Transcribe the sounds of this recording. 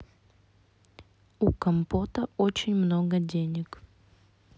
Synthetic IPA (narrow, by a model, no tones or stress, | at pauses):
ukɐmpot̪əot͡ɕɪnʲmnoɡədʲenʲɪk